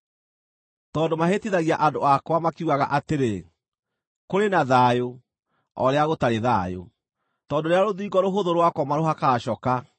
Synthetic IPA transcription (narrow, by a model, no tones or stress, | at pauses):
tɔːndomaɦetiðaɣiaʔadoakwamakeuɣaɣa̰ʔateɾe | koɾenaðaːjo | ɔ̰ɾeaɣotaɾeðajo̰ | tɔːndoɾeaɾoðiːɡɔɾoɦoðoɾwakɔmaɾohakaːɕɔka